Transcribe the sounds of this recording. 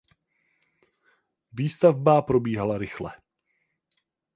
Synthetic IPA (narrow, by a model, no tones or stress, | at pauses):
viːst̪avbapɾo̞biːɦalaɾɪxlɛ